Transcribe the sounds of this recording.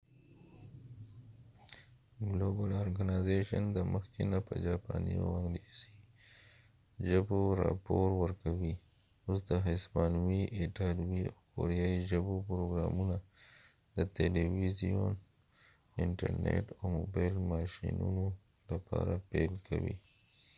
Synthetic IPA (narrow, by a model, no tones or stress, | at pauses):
ɡlobaloɾɡanajzeʃand̪əməxkenapəd͡ʒɑpɑnia̰waŋɡlisi | ʒaboɾɑpoɾwəɾkawi | usd̪aɦespɑnwiʔeʈaɾwiawkoɾijaiʒabopɾoɡɾɑmuna | d̪ət̪eliwizijon | ɪɳʈaɾnḛʈawmobajlmɑʃinuno | lapʰɑɾapelkʰawi